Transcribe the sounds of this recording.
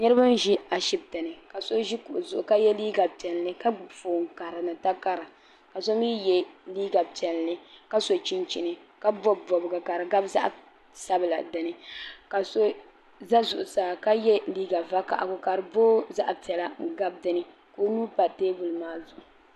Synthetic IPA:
nɛ˦ɾɨ˦ba˦n˦ʒi˦a˨ʃi˦b̚ta˨nɨ˨ka˨so˦ʒi˦kʊ˨ʔʊ˨zʊ˨ʔʊ˨ka˦jɛ˦liː˦ɡa˨pɛ˨llɨ˦ka˦˨foː˨ŋ˨ka˨ɾɨ˨nɨ˨ta˦ka˦ɾɨ˨ | ka˨so˦mi˦jɛ˦liː˦ɡa˨pi˨ɛ˨llɨ˦ka˦so˨t͡ʃi˦nt͡ʃi˨nɨ˨ | ka˦bɔ˦˨bɔ˨bɡa˨ka˨ɾɨ˨ɡa˦bza̰˦ʔ | sa˦bɨ˨la̰˨dɨ˨nɨ˨ka˨so˦ | za˦zʊ˨ʔʊ˨saː˨ka˦jɛ˦liː˦ɡa˨va˦ka̰˨ʔa̰˨ɡʊ˨ka˨ɾɨ˨boː˦za˦ʔpi˨ɛ˨la˨ɡa˦b̚dɨ˦nɨ˦ | koː˦nuː˦pa˨teː˦bu˨lɨ˨maː˦zʊ˨ʔʊ˨

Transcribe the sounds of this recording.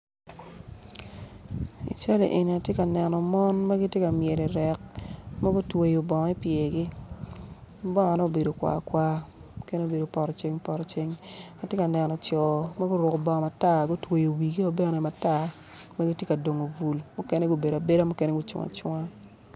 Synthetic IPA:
ḭ˨t͡ʃa˦lḛ˨ʔe˨ni˨a˨tje˦ka˨nɛ˨nɔ˨mɔ˦nma˦ɡi˦tje˦ka˨mje˨li˨ɾɛ˨k̚ma˦ɡo˦twe˨jo˨bɔ˨ŋɔ˨˦i˦pje˨ɡi˦ | bɔ˦ŋ˨a˨nɔ˦˨be˨do˨kwa̰˨kwa˦mʊ˦ke˦ne˦o˨be˨do˨pɔ˨ɾɔ˨t͡ʃe˦ŋpɔ˨ɾɔ˨t͡ʃe˦ŋa˨tje˦ka˨nɛ˨nɔ˨t͡ʃɔ˨ma˦ɡo˦ɾʊ˨ko˨bɔ˨ŋ˨ma˨ta˦˨ɡo˦twe˨jo˨wi˨ɡi˦o˦be˦nɛ˨ma˨ta˦ | ma˦ɡi˦tje˦ka˨do˨ŋo˨vu˨lmʊ˦ke˦ne˦ɡo˦be˨da˨be˦da˦mʊ˦ke˦ne˦ɡu˦t͡ʃṵ˨ŋa̰˨t͡ʃwa˦

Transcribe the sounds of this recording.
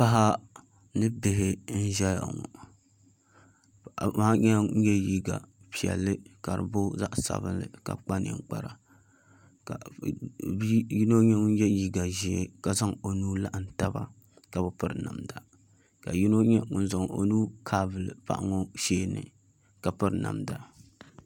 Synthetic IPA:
pa˦ɦa˦ | nɨ˦bɪ˨ɦɪ˦n̩˦ʒɛ˦ja̰˨ŋɔ̰˨ | ma˦ɲɛ˦ɲɛ˦ji˦ɡa˨pi˨ɛ̰˨lːɨ˦ka˨ɾɨ̰˨bʊ˦za˦ʔsa̰˨bɨ˦nlɨ̰˨ka̰˨k͡pa˦nḛ˨ŋk͡pa˦ɾa˨ | ka˨˦ | ji˦no˦ɲɛ˦ŋʊ˦n˦jɛ˦ji˦ɡa˨ʒɛ˨e˦ka˨za˦ŋo˨nuː˦la˦ʔn˨ta˦ba̰˦ | ka˨bɨ˦pɨ˦ɾɨ˨na̰˨mda˨ | ka˨ji˦no˦ɲɛ˦ŋʊ˦n˦zʊ˨ŋ˨o̰˨nuː˦kʰa˦bɨ˨lɨ˨pa̰˦ʔŋɔ˦ʃeː˦nɨ̰˨ | ka˨pɨ˦ɾna̰˨mda˦

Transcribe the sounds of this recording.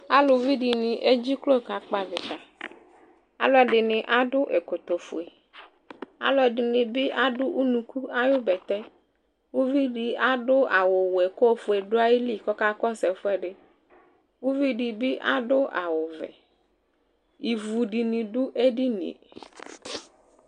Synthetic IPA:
a˦lo˨vi˦ɖi˨nĩ˨ʔe˦d͡ʑi˦klo˦˨ka˨k͡pa˨vɪ˨t̪a˨ | a̰˦lɔ˨ɖɪ˨nɪ̃˨ʔa˦ɖʊ˦ʔe˨ko˨t̪o˨fo̰˨e˨ | a̰˨lɔ˨ɖɪ˨nɪ̃˨bɪ˦ʔa˦ɖʊ˦ʔu˦nũ˨ku˦a˦jo˦bɛ˨t̪ɛ˦ | wu˦vi˦ɖi˨a˦ɖʊ˦a˨wo˨wo˨e˨ko˦fʊ˨e˨ɖʊ˦a˦ji˦li˦˨kɔ˦ka˦kɔ˦sɛ˨fo˦ɛ˦ɖɪ˦ | wu˦vi˦ɖi˨bɪ˦ʔa̰˦ɖʊ˦ʔa̰˨wʊ˨vɛ̰˨ | i˨vu˨ɖi˨nĩ˨ɖʊ˦ʔe˦ɖi˦nḭ̃˨

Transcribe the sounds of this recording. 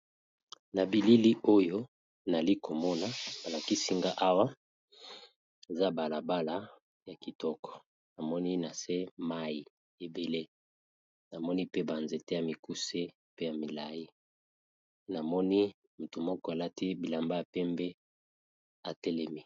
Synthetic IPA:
na˨bi˨li˦li˦ʔo˦jo˦ | na˨li˦ko˨mɔ˦na˨ba˨la˨ki˦si˦ŋɡa˦ʔa˦wa˦ | e˨za˦ba˨la˨ba˦la˦ | ja˨ki˨tɔ˦kɔ̥˨ | na˨mɔ˦ni˦na˨se˦ma˦ji˨ | e˨be˨le˦ | na˨mɔ˦ni˦pe˦ba˨nze˨te˦ja˨mi˨ku˦se˦ | pe˦ja˨mi˨la˨ji˦ | na˨mɔ˦ni˦ | mu˨tu˨mɔ˦kɔ˦a˨la˦ti˦bi˨la˨mba˦a˨pɛ˦mbe˦ | a˨tɛ˦lɛ˦mi˦

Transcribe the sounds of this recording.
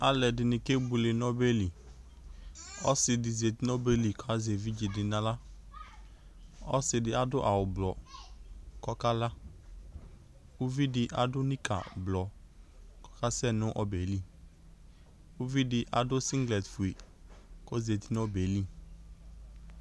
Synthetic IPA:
a˦lɛ˨dɪ˨nɪ̃˨ke˦bʊ˨lɪ˨n˦ɔ˦be˦li˨ | ɔ˦sɪ˨dɪ˨ze˨t̪i˦n˦ɔ˦be˨li˨kʰɔ˦a˦ze˨vi˦d͡ʒɪ˨dɪ˨nã˦la˦ | ɔ̰˦sɪ˨dɪ˦a˨dʊ˦ʔa˨wʊ˨blɔ˨ | kɔ˦ka˦la˦ | ʊ˦vi˦dɪ˦ʔa̰˨dʊ˦nĩ˦kʰa̰˨blɔ˨ | kɔ̥˦ka˦sɛ˦nʊ̃˦ʔɔ˦be˨li˦˨ | ʊ˦vi˦dɪ˦ʔa˨dʊ˦si˦ŋɡlɛ˨tfu˨e˨ | kɔ˦ze˨t̪i˦n˦ɔ˦be˨li˦˨

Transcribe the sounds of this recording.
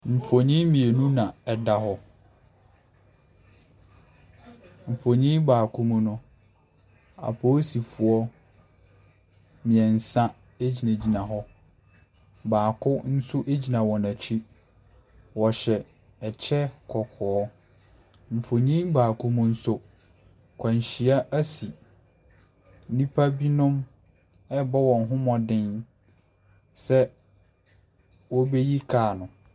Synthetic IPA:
m̩˨fo˨ɲĩ˦mĩ˨e˨nũ˦nã˨ɛ˨da˦ɦɔ˦ | m̩˨fo˨ɲĩ˦baː˨kʰũ˦mũ˦nʊ̃˦ | a̰˨pʰo˦si˨fʊ˦ɔ˦ | mĩ˨ɛ˨n̩˨sã˦ | e˦d͡ʑi˨nã˨d͡ʑi˨nã˨ɦɔ˦ | baː˨kʰʊ˦n̩˦sʊ˦ʔe˦d͡ʑi˨nã˨wɔ˨nã˨t͡ɕʰi˦ | wɔ˨ɕɛ˨ | ɛ˨t͡ɕʰɛ˦kʰɔ˨kʰɔː˨˦ | m̩˨fo˨ɲĩ˦baː˨kʊ˦mʊ̃˦n̩˦sʊ˦ | kʰã˨ɲ˨ɕi˨a˦ʔæ˦si˨˦ | nĩ˦pʰa˦bi˦nʊ̃˦m | ɛ˦bɔ˦wɔ̃˨n˦ɦʊ̃˦mɔ̃˨dɪ̃˦n | sɛ˦ | wɔ˦be˦ji˦kʰaː˨nʊ̃˨

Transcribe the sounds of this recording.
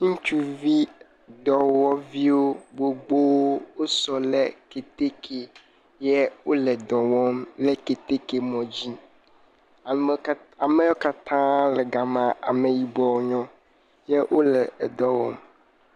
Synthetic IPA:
ŋũ˦t͡ʃu˦vi˦ | d̪ɔ˨wɔ˦vi˦wo˦ɡ͡bo˨ɡ͡bo˦wo˦wo˦sɔ˨lɛ˨ke˨t̪e˦kʰe˨ | jɛ˦wo˦lɛ˨d̪ɔ̃˨wɔ˦mlɛ˦ke˨t̪e˦ke˨mɔ̃˨d͡ʑi˦ | a˨a˨mɛ˦jɔ˦ka˦t̪ã˦lɛ˨ɡa˨mã˨a˨me˨ji˨bɔ˨˦ɲɔ̃˦ | jɛ˦wʔo˦lɛ˨d̪ɔ˨wɔ̰˦m

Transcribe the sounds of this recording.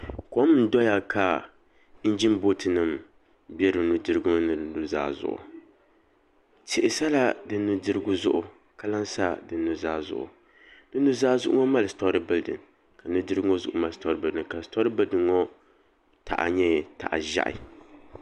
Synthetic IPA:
kɔ˦mɨ˦n̩˦dɔ˦ja˦kʰa˨ | n̩˦d͡ʒi˦n˦bo˦tɨ˨nɨ˨m | bjɛ˦ɾɨ˨nu˦dɨ˦ɾɨ˦ɡʊ˦m˦nɨ˨dɨ˨nu˨za̰ː˦zʊ̰˦˨ʔʊ̰˨ | tɪ˨ʔɪ˨sa˦la˦dɨ˦nːu˦dɨ˦ɾɨ˦ɡʊ˦zʊ̰˦ʔʊ˨ | ka˦la˦nsa˦dɨ˨nːu˨zaː˦zʊ̰˦ʔʊ̰˨ | nɨ˦nu˦zaː˦zʊ˦ʔʊ˦ŋɔ˦ma˦lɨ˨stɔ˦ɾɨ˦bɨ˦ldɨ̰˨n | ka˨nɨ˦dɨ˦ɡŋɔ˦zʊ̰˦ʔʊ̰˨˦ma˨lstɔ˦ɾɨ˦bɨ˨˦dɨ˨ka˨stɔ˦ɾɨ˦bɨ˦ldɨ˨˦ŋɔ˦ | tʰa̰˨ʔa̰˨ɲɛ˦˨ta̰˨ʔa̰˨ʒa̰˦ʔɪ̰˨

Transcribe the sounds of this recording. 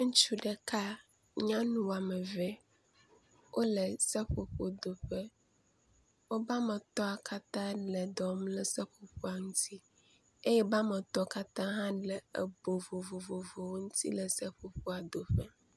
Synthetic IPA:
ŋũ˦t͡ʃu˦ɖɛ˨ka˦ | ɲã˦nũ˨wa˨mɛ˨vɛ˦ | wʔo˦lə˨sɛ˦ɸo˨ɸo˨d̪o˨ɸɛ˦ | wo˦ba˦mɛ˨t̪ɔ˦a˨ka˦t̪ã˦lɛ˨d̪ɔ˨mlɛ˨sɛ˦ɸo˨ɸo˦a˨ŋũ˦t̪ʰi˦ | e˦jɛ˦ba˦mɛ˨t̪ɔ˦ka˦t̪ã˦ɦã˦ɖɛ˨ḛ˨bo˨vo˨vo˨vo˨vo˨wo˦ŋũ˦t̪ʰḭ˦lɛ˨sɛ˦ɸo˨ɸo˦a˨d̪o˨ɸɛ˦

